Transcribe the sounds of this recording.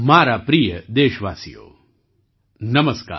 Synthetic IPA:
maːɾaːpɾijəd̪eːʃʋaːsijo̰ː | nɐmɐska̰ː

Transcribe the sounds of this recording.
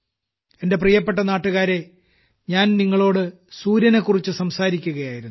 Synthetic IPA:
e̞nde̞prijɐp̬ːe̞ʈ̬ːɐnaːʈːuɣaːɾe̞ | ɲaːnniŋːɐɭo̞ːɽɨ | suːɾjɐnekːurit͡ɕːɨsɐmsaːɾikʲːuɣɐjaːjiɾunː

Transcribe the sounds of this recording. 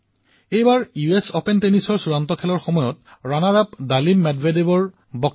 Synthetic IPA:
ejbaɹjuesɔpentenisɔɹsuɹantɔkʰɛlɔɹxɔmɔjɔtɹanaɹapdalimːɛdvedebɔɹ | bɔk̚

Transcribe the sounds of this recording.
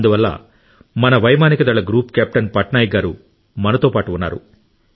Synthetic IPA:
ɐnd̪uʋɐlːɐ̰ | mɐnɐʋɐjmaːnikɐd̪ɐɭːɐɡɾuːpkaːp̚ʈɐnpɐʈnaːjiɡaːɾu | mɐnɐt̪o̞ːpaːʈuunːa̰ːɾṵ

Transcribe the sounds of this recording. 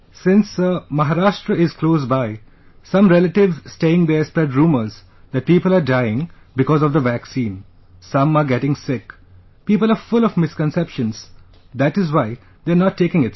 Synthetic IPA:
sɪ̃nsəmɐɦaɾaːʃʈɾəɪzkloːzbaɪ | sʌ̃mɾɛləʈɪʋzsʈeːɪ̃ŋd̪eːspɾɛɖɾũːməɾz | d̪æʈ̚piːpəlaːɾɖaɪɪ̃ŋ | bɪkɔːzɔʋd̪əʋæksĩːn | sʌ̃maːɾɡɛʈɪ̃ŋsɪk | piːpəlaːɾfʊlɔfmɪskə̃nsɛpʃə̃nz̥ | d̪æʈɪzwaɪ | d̪eənɔʈːeːkɪ̃ŋɪt

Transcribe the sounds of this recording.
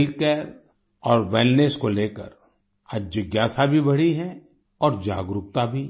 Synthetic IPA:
lkɛːɾ | ɔːɾʋeːlneskoleːkə̰ɾ | ad͡ʒd͡ʒəɡjaːsabʱibɐɽ̤iɦɛ | ɔːɾd͡ʒa̰ːɡɾʊk̚t̪abʱi

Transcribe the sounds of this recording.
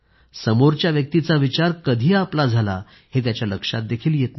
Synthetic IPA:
səmoɾt͡ɕjaʋjək̚t̪it͡saʋit͡ɕaɾkəd̪ʱiːaplad͡zʱala̰ | het̪̬jat͡ɕjaləkʂa̰t̪̚d̪ekʰiːljet̪na

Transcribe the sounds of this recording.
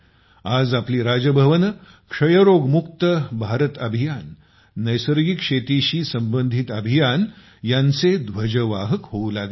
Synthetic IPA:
ad͡zapliːɾad͡ʑəbʱəʋənə | kʂəjəɾoɡmukt̪əbʱaɾət̪əbʱijanː | əjsəɾɡikʂet̪iɕiːsəmbənd̪ʱit̪əbʱijan | jant͡sed̪ʋəd͡ʑəʋaɦəkɦoulaɡe

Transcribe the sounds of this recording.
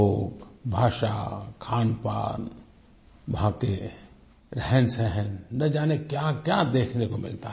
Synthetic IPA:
oːɡbʱaːʃa̰kʰaːnpa̰ːn | bʱãːke | ɾɛɦɛnsɛɦənːɐd͡ʒaːnekjakjad̪eːkʰnekomɪ̰lt̪aɦ

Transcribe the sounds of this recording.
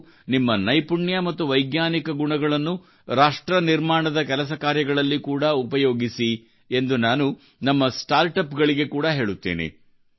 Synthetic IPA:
nimːɐnɐjpuɳjɐmɐt̪ːuʋɐjɡnaːnikɐɡuɳɐɡɐɭɐnːu | ɾaːʂʈɾɐniɾmaːɳɐd̪ɐkɛlɐs̬ɐkaːɾjɐɡɐɭɐlːikuːɽɐupɐjoːɡisi | e̞nd̪unaːnu | nɐmːɐsʈaːɾʈɐpɡɐɭiɡe̞kuːɽɐɦe̞ːɭut̪ːḛːnḛ

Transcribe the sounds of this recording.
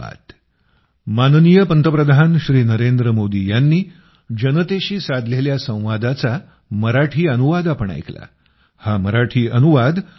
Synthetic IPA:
a̰t̪ | mannijəpənt̪əpɾəd̪ʱanɕɾiːnəɾend̪ɾəmod̪iːjanːiː | d͡ʑənət̪eɕiːsad̪ʱleljasə̃w̃ʋad̪at͡sa | məɾaʈʰiːənuʋad̪apəɳa̰jkla̰ | haməɾaʈʰiːʔənuʋad̪

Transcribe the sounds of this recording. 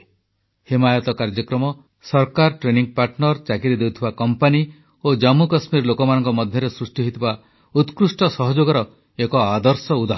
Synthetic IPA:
himajɔt̪ɔkaɾd͡ʒɔkɾɔmɔ | sɔɾkaɾʈɾeniŋpaɾʈnɔɾt͡ʃakiɾid̪ewt̪ʰibakɔmpani | od͡ʒamukɔsmiɾlokɔmanɔŋkɔmɔd̪ʱjɔɾesɾusʈiɦit̪iba | ut̪kɾusʈɔsɔɦɔd͡ʒoɡɔɾɔ | ekɔad̪ɔɾsɔud̪ʱa

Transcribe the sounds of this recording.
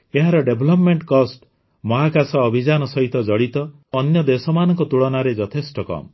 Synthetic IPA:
eɦãɾɔɖebʱlɔpmeɳʈkɔsʈ | mɔɦakasɔːbʱid͡ʒanɔsɔɦit̪ɔd͡ʒɔɽit̪ɔ | ɔnjɔd̪esɔmanɔŋkɔt̪uɭɔnaɾed͡ʒɔt̪ʰesʈɔkɔ̰mɔ

